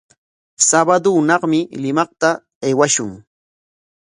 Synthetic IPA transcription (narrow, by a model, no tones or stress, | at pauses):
sabad̪ʊnɑχmɪlɪmɑχt̪a | ajwaʃʊŋ